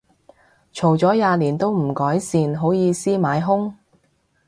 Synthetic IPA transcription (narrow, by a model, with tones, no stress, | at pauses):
t͡ʃʰo˨˩wt͡sɔː˨˥jaː˨˧liː˨˩nt̪o˥wm̩˨˩kɔː˨˥jsiː˧nɦo˨˥wjiː˨˧siː˥maː˨˧˥jɦʊ˥ŋ